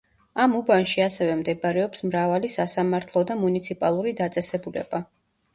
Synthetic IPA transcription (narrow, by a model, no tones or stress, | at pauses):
amubanʃiasɛvɛmd̪ɛbaɾɛɔpsmɾavalisasamaɾt̪ʰlˠɔd̪amunit̪sʰipʼalˠuɾid̪at̪sʼɛsɛbulɛ̰ba